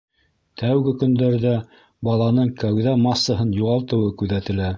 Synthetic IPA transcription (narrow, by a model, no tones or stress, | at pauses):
t̪ʰæwɡɘkɵ̆nd̪æɾðæ | bɑlˠɑnɤɴkæwðæmɑsːɤ̆ɦɤnjuʁɑlˠt̪ɤ̆wɤkʉðæt̪ɘ̆læ